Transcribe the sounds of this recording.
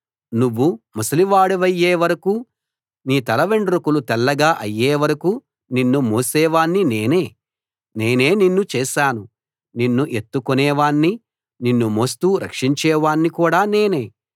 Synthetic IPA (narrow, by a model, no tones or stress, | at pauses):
nuʋːumɐsɐliʋaːɽuʋɐjːeːʋɐɾɐkuː | niːt̪ɐlɐʋeɳɖɾukulut̪ɛlːɐɡaːʔɐjːeːʋɐɾɐku | ninːumoːsɛːʋaːɳːineːne̞ː | neːne̞ːninːut͡ʃɛːʃaːnu | ninːuʔe̞t̪ːukonɛːʋaːɳːi | ninːumost̪uːɾɐ̰kʂiɲt͡ʃɛːʋaːɳːikuːɽaːneːne̞ː